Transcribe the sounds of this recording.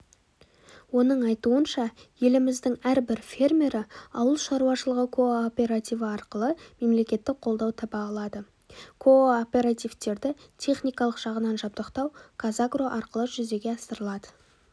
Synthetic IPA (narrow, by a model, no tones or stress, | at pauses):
wo̞nəɴɑjt̪uənʃɑje̞lɪmɪzd̪ɪŋæɾbɪɾfʲe̞rmʲe̞ɾɪɑ̰wəlˠʃɑɾuwɑʃəlˠəʁəkʰo̞opʲe̞ɾat̪ijvəɑɾqəlˠəme̞mle̞kʲe̞t̪ːɪk̚qʰo̞lˠd̪ɑwt̪ʰɑpɑːlˠɑd̪ə | kʰo̞opʲe̞ɾat̪ijvt̪e̞ɾd̪ɪt̪ʲʰe̞χnijkɑlˠəqʒ̥ɑʁənɑnʒɑb̚d̪əqt̪ɑwkʰazaɡro̞ʔɑɾqəlˠəʒʏze̞ɡʲeɑsəɾəlˠɑd̪ə